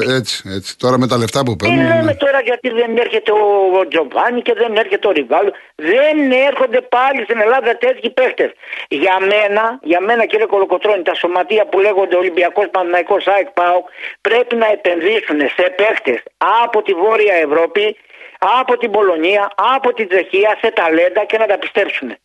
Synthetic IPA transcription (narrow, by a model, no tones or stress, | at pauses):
et͡si̥et͡si̥t̪o̞ɾɐmet̪ɐleft̪ɐpupeileme̞t̪o̞ɾɐʝɐt̪iðe̞ne̞ɾçe̞t̪e̞od͡ʒo̞vɐɲice̞ðe̞ne̞ɾçe̞t̪eo̞ɾivɐlu | ðe̞neɾxo̞nd̪e̞pɐlist̪ine̞lɐðɐt̪e̞t̪çipe̞kt̪e̞s | ʝɐme̞nɐʝɐme̞nɐciɾeko̞loko̞t̪ɾo̞ɲit̪ɐso̞mɐt̪iɐpule̞ɣo̞nd̪eolimbiɐko̞spɐnθinɐiko̞sɐjk̚pɐukpɾe̞pinɐe̞pe̞nðisune̞se̞pe̞kt̪e̞sɐpo̞t̪ivo̞ɾiɐe̞vɾo̞pi | ɐpo̞t̪ibo̞lo̞niɐːpo̞t̪ind͡ʒe̞çiɐse̞t̪ɐle̞nd̪ɐce̞nɐt̪ɐpi̥st̪e̞psune̞